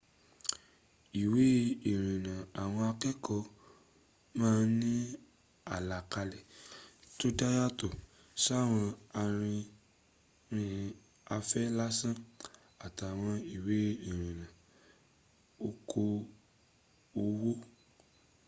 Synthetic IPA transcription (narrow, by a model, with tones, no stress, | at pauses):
i˨we˦i˨ɾ̃ĩ˨nã˨a˨w̃ɔ̃˧a˧kɛ˦kɔ˧ | mãː˦˧nĩ˦ | a˨la˨ka˧lɛ˨to˦da˦ja˦to˦˨ | ʃa˦˨w̃ɔ̃˧a˧ɾ̃ĩ˧ | ɾĩ˧ | a˧fɛ˦la˦sã˦ | a˨ta˨w̃ɔ̃˧i˨we˨˦i˨ɾ̃ĩ˨nã˨ | o˦kʰo˧ | o˧wo˦